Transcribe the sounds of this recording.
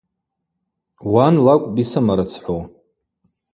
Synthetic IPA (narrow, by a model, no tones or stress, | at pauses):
wanlakʷʼbisamaɾɨt͡sʰħʷo